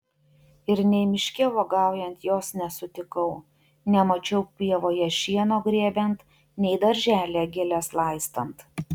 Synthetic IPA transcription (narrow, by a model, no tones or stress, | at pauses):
ɪɾnʲɛɪmʲɪʃʲkʲeʋoːɡɑˑʊjɛnt̪joːsnʲɛsʊt̪ʲɪkɐʊ | nʲɛmɐt͡ʃʲɛʊpʲiɛʋoːjɛʃʲiɛnoːɡɾʲeːbʲɛnt̪ | nʲɛɪd̪ɐɾʲʒʲæːlʲeːɡʲɪlʲɛslˠɑˑɪst̪ɐnt̪